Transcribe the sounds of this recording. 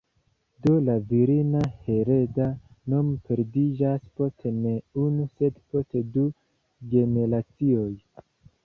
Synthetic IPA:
dolaviɾinahe̞ɾe̞danompʰe̞ɾdid͡ʒaspo̞stene̞unuse̞dpo̞stedu | ɡe̞ne̞ɾat͡sio̞j

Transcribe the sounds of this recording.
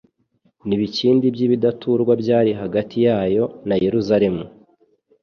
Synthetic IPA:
niβiciːndibjiːβidatʰuɾɡwabɟaːɾiɦaɡatʰijaːjo̞naje̞ɾuzaɾe̞mu

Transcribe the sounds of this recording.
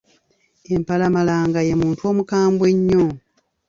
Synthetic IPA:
empalamalaːŋɡaje̞muːntuo̞ːmukaːmbwe̞ɲːo

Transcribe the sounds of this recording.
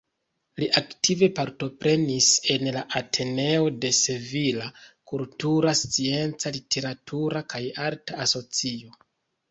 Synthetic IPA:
liʔaktive̞paɾto̞pɾe̞nise̞nlaʔatʰe̞ne̞o̞de̞sevilakultuɾast͡sie̞nt͡salitʰe̞ɾatʰuɾakajaɾtaːso̞t͡sio̞

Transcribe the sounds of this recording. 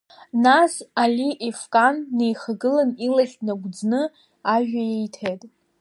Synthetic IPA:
nasaliʔefkʼanːe̞jχaɡɨlanilaχʲnaɡʷd͡znɨ | aʒᶣajejtʰejtʼ

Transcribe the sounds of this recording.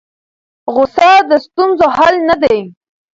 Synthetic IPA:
ɣʊsɑd̪əst̪unzohalnad̪ej

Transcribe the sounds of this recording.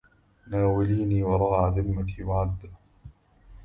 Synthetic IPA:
naːwɪliːniːwɑɾˤɑːʕaːðɪmːat̪iːwaʕad̪ː

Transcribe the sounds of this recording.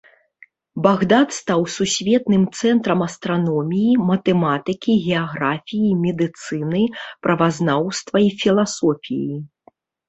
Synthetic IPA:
baɣd̪at̪st̪awsusʲvʲɛt̪nɨmt̪sɛnt̪ɾɐmɐst̪ɾanɔmʲijimɐt̪ɛmat̪ɨkʲiɣʲɛaɣɾafʲijimʲɛd̪ɨt̪sɨnɨpɾʔɐvaznawst̪vɐifʲilˠasɔfʲḭji

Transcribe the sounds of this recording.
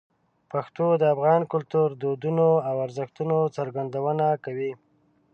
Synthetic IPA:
paxt̪od̪əafɣɑnkʊlt̪uɾd̪od̪unoawaɾzəxt̪unot͡səɾɡand̪awənakawi

